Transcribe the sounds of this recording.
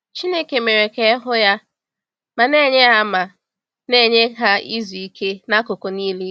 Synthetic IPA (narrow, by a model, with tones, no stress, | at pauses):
t͡ʃi˦ne˦ke˨me˨ɾe˨ke˨˦ɦʊ˦ja˦ | ma˨ne˦ɲe˦ɦa˦ma˨ | ne˦˨ɲe˦ɦa˦i˦zu˨i˦ke˦na˦kʊ˨ko˨niː˦li˦